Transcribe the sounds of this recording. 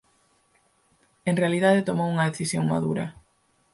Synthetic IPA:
eŋrealiðaðet̪omowuŋɐðeθisjoŋma̰ðuɾɐ̰

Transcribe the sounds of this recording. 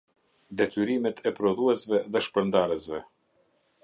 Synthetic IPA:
d̪ɛt̪yɾimɛt̪ʰɛpɾɔðuɛsvɛðɛʃpɾənd̪aɾɛsvɛ

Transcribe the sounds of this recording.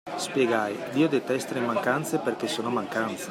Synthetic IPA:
spjeɡajd̪iːod̪et̪ɛst̪alemaŋkant̪seperk̟esoːnomaŋkant̪se

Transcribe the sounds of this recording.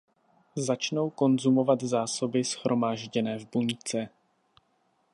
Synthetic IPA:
zat͡ʃno̞wko̞nzumo̞vat̪zaːso̞bɪsxɾʔo̞maːʒɟɛnɛːvbuɲt͡sɛ

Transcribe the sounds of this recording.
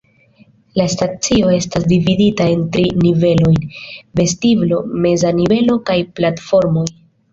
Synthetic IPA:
lastat͡sio̞e̞stasdividitae̞ntɾinive̞lo̞jnve̞stivlo̞me̞zanive̞lo̞kajplatfo̞ɾmo̞j

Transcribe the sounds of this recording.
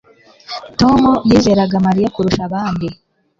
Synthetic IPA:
tomujiːzeɾaɡamaɾijakuɾuʃaβaːndi

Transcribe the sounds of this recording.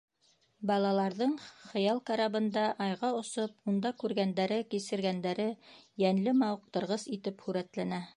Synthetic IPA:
bɑlˠɑlˠɑɾðɤɴχɤ̆jɑlˠkɑɾɑβɤ̆nd̪ɑʔɑjʁɑŏsopund̪ɑkʉɾɡænd̪æɾɘkisɘ̆ɾɡænd̪æɾɘjænlɘmɑwq̚t̪ɤ̆ɾʁɤsit̪ɘphʉɾæt̪lænæ

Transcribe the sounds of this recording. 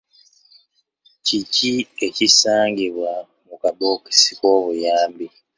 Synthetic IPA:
ciciecisaːŋɡiβwa | mukaboki̥si̥koːβujaːmbi

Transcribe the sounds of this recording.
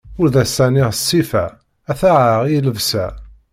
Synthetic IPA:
ʊɾðæsːæniʁəsːifæ | æθaʕaʁiləvsæ

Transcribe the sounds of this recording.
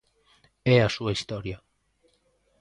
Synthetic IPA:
easueist̪oɾia

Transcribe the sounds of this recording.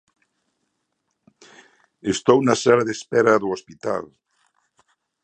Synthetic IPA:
est̪ownɐsalaðespɛɾɐðoospit̪a̰l

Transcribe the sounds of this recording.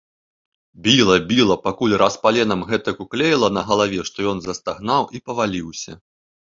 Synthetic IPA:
bʲilˠɐbʲilˠɐpakulʲraspalʲɛnɐmɣɛt̪ɐkuklʲejlˠɐnɐɣɐlˠavʲɛʂt̪ɔjɔnzɐst̪aɣnawʔipɐvalʲiwsʲɐ

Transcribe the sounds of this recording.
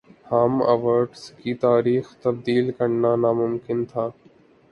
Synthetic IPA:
haːməʋəɾɖskit̪aːɾiːxt̪ɐb̚d̪iːlkɐɾnanamʊmkɪnt̪ʰaː

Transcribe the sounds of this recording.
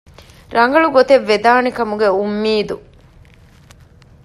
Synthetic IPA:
ɾɐŋɡɐɭuɡot̪eʋːed̪aːnekɐmuɡeumːiːd̪u

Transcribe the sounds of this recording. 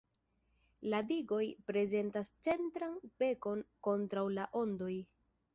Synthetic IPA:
ladiɡo̞jpɾe̞ze̞ntast͡se̞ntɾanpe̞ko̞nko̞ntɾawlaʔo̞ndo̞j

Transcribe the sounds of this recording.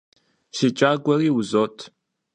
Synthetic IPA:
ʃɪt͡ʃʼaːɡʷɔriːwʊzoːtʰ

